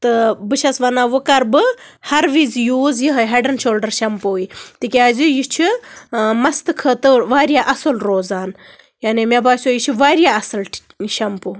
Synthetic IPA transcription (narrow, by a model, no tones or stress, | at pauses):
t̪ɨbɨʃʰɐsʋɐnaːʋɨkɐɾbɨhɐɾʋizjuːzjiɦɐɦɐɖɐnʃoːlɖəɾʃɐmpoːit̪ikʲeaːzujit͡ʃʰi | mɐst̪ɨkʰɐt̪ɨʋaːɾjaːʔɐsɨlɾoːzaːn | jaːnimabaːsʲjoːjit͡ʃʰiʋaːɾjaːɐsɨl | ʃɐmpu